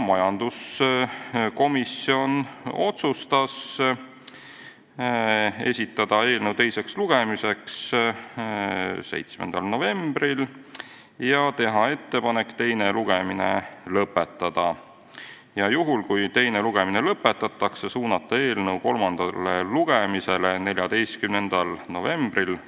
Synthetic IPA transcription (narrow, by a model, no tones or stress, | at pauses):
mɑjɑnd̪̥us | ko̞misio̞no̞t̪sust̪ɑs | e̞̰sʲit̪ːˑɑd̪̥ɑe̞ːlnəwt̪e̞jse̞ksluɡ̥e̞mise̞ks | se̞̰jt̪smend̪̥ɑlno̞ve̞mb̥ril | jɑt̪e̞ɦɑe̞t̪ːe̞pɑne̞kːt̪e̞jne̞luɡ̥emine̞̰lɤpːˑet̪ˑːɑd̪̥ɑ | jɑjuɦulkujt̪e̞jne̞luɡ̥e̞minelɤpːˑet̪ːˑɑt̪ːˑɑksesuːnɑt̪ːˑɑe̞ːlnɤwko̞lmɑnd̪̥ɑlːeluɡ̥e̞mise̞lene̞lʲjɑd̪e̞jst̪̚kymne̞nd̪̥ɑlno̞ve̞mb̥ril